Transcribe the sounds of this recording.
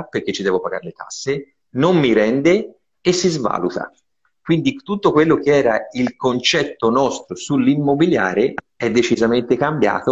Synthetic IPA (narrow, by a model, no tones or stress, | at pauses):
perk̟et͡ʃːid̪ɛːvopaɡa̰ɾelet̪ʰa̰sːe | nomːiɾɛnd̪e | esːizva̰ːlut̪a̰ | kwind̪it̪ut̪ːokwelːok̟eɛːɾailkont͡ʃɛt̪ːonɔst̪ɾosulːimːobilja̰ːɾe | ɛd̪ːet͡ʃizament̪ekambja̰ːt̪o